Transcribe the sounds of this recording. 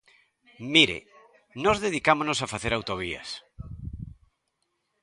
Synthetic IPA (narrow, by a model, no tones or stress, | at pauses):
miɾḛ | nozðeð̞ikamonosafaθeɾawt̪oβ̞ia̰s